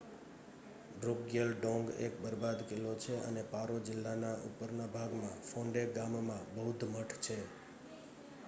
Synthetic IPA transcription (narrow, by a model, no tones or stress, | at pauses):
bɾoɡjəlɖɔ̃ŋɡḛk̚bəɾbad̪kɪlːot͡ʃʰeə̰nepaɾod͡ʒɪlːanaʔṵpəɾnabʱaɡmãfʰõɳɖeɡammãbəɦud̪ʱməʈʰt͡ʃʰe